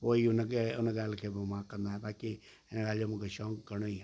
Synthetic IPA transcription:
poːiʊnkeʊnɡaːlkʰeːbɪmãkːə̃nd̪aɦɛːbaːki | ɪnɡaːld͡ʒomũːkʰeʃɔːkɡəɽ̃oiɦɛː

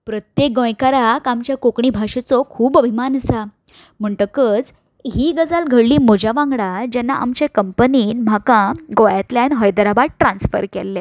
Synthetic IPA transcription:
pɾət̪jek̚ɡõjkaɾakamt͡ɕjakokɳibʱaʂet͡sɔkʰuːbəbʱimanəsa | m̤əɳʈ̪əkət͡s | ɦiːɡəd͡zalɡʱəɽliːmod͡ʑaʋãŋɡɽad͡ʑɛnːaʔa̰mt͡ɕekəmpəniːnm̤ʱakãɡojat̪ljanɦəjd̪ɾaʋaɽ̚ʈɾãnsfə̰ɾkɛ̰lːe

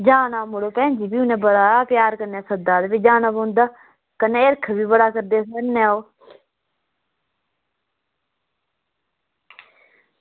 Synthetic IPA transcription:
d͡ʒaːnaːmʊɽoːpɛ̃ːnd͡ʒiːbiːʊnɛ̃ːbəɽaːapjaːɾkənaːsəd̪aːd̪eːbɪd͡ʒaːnaːbõːnd̪aː | kəneːɪɾkʰbʱiːbəɽaːkəɾd̪eːsənɛːoː

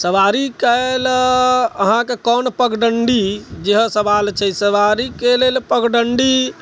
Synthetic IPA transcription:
səʋaɾikəl | əɦãkekɔnpəɡɖəɳɖid͡ʒeɦsəbalt͡ʃʰɛsəʋaɾikelelpəɡɖəɳɖi

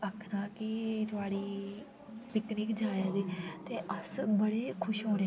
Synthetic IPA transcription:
əkʰnaːkɪt̪ʊaːɽiː | pɪkniːkd͡ʒaːjaːd̪eːt̪eːʔəsbəɽeːkʰʊʃɦõːɾeː

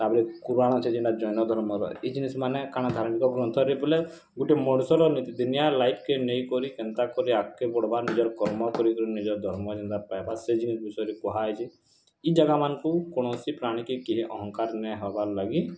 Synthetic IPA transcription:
t̪abɾikuɾaɽ̃ɔt͡ʃʰɛd͡ʒiɳʈad͡ʒɔjnɔd̪ʱɔɾmɔɾɔ̰ɛ̰id͡ʒinismanekaɽ̃ad̪ʱaɾmikɔɡɾɔnt̪ʰɔɾibɔle | ɡuʈemɔɽsɔɾɔnit̪id̪unjalajpʰkenejkɔɾikɛnt̪akɔɾiakːebɔɽ̤baɾnid͡ʒɔɾkɔɾmɔkɔɾikɔɾinid͡ʒɔɾd̪ʱɔɾmɔd͡ʒɛ̃nd̪aɾpajbased͡ʒinisbisɔjɾikɔɦajt͡ʃʰi | id͡ʒaɡamankukɔɽ̃ɔsipɾaɽ̃ikekiɦiʔɔɦɔ̃ŋkaɾnɛɦɔbaɾlaɡi

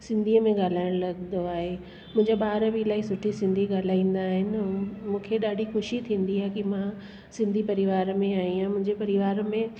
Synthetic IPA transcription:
sɪ̃nd̪ʱiəmẽɠaːl̤aːɪɽ̃lɐɠnd̪oaːɦe | mʊ̃ɦɪ̃ɲd͡ʑeɓaːɾbilaːisʊʈʰisɪ̃nd̪ʱiɠaːl̤aːĩːn̆d̪aːɦɪnɪ̆mũːkʰeɗaːɖʱixʊʃit̪ʰĩːnd̪iɦaːkimã | sɪ̃nd̪ʱipɐɾɪʋaːɾmẽaːɦjĩjamʊ̃ɦɪ̃ɲd͡ʑepɐɾɪʋaːɾmẽ

